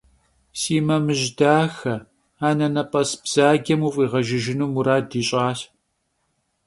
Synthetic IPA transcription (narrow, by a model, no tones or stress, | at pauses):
siːmɐmɨʒdaːxɐ | aːnɐnɐpʼɐsb̥z̥aːɡɐmuːfʼiːʁɐʒɪʒɪnuːmuɾaːdiːɕʼaːɬ